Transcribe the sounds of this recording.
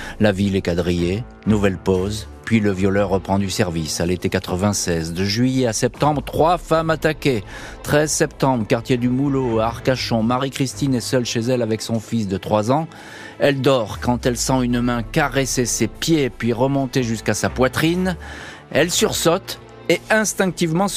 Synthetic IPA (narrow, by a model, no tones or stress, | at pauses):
lavilɛkad̪ʁije | nuvɛlpoz | pɥiləvjɔlœʁːəpχɑ̃d̪ysɛʁvisalet̪ekat̪χəvɛ̃sɛzd̪əʒɥijɛasɛp̚t̪ɑ̃bʁt̪χwafamat̪akʲe | t̪χɛzsɛpt̪ɑ̃bʁkaʁt̪jed̪ymuloaʁkaʃɔ̃maʁikχist̪inɛsœlʃezɛlavɛksɔ̃fis̬d̪ət̪χwazɑ̃ | ɛld̪ɔʁkɑ̃t̪ɛlsɑ̃ynmɛ̃kaʁesesepjepɥiʁəmɔ̃t̪eʒyskasapwat̪χin | ɛlsyʁsɔt̪ | eɛ̃st̪ɛ̃k̚t̪ivmɑ̃